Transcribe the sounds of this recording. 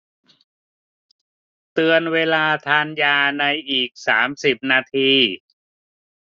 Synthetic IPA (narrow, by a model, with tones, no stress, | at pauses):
t̪ɯ˧ənweː˧laː˧t̪ʰaː˧njaː˧na˧jʔiː˨˩k̚saː˩˦msi˨˩p̚naː˧t̪ʰiː˧